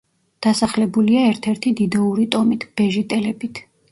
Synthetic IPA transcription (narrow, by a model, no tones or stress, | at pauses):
d̪̥asaχlɛbuliaɛɾt̪ʰɛɾt̪ʰid̪id̪ɛuɾit̪ʼɔmit̪ʰb̥ɛʒit̪ʼɛlɛbit̪ʰ